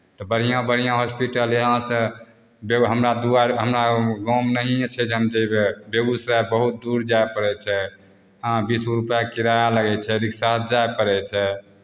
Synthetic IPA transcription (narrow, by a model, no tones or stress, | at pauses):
t̪ɔbəɽ̤ijãbəɽ̤ijãɦospiʈəleɦãsə̃ | beɦəmɾad̪uaɦəmɾaɡɔmnəɦiẽt͡ʃʰɛd͡ʒɦəmd͡ʒəbebeɡusɾabəɦut̪̚d̪uɾd͡ʒaepəɾɛt͡ʃʰɛ | ɦãbisuɾupjakiɾajaləɡɛt͡ʃʰɛɾiksad͡ʒaepəɾɛt͡ʃʰɛ